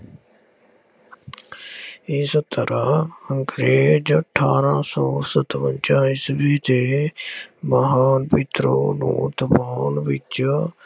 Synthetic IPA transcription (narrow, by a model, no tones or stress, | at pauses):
ĩːsət̪ːəɾaːəŋkɾeːd͡ʒəʈʰːa̰ːɾãːsɔːsət̪ʋənt͡ʃaːĩsəbʱiːt̪eː | məɦaːnpɪt̪ɾoːnṵ̃ːt̪əpaːnʋɪt͡ʃ